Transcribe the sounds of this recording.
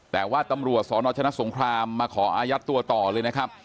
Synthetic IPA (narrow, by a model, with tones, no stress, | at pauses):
t̪ɛː˨˩waː˥˩t̪a˧mɾu˨˩ət̪̚sɔː˩˦nɔː˧˩t͡ɕʰna˦˥ʔso˩˦ŋkʰɾaː˧mːaː˧kʰɔː˩˦ʔaː˧ja˦˥t̪ːu˧ɐt̪ɔː˨˩lɤː˧jna˦˥kʰa˦˥p̚